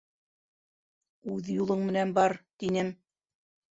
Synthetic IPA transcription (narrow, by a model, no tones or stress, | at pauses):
ʉðjulˠɤɴmɘ̆nænbɑɾt̪inɘm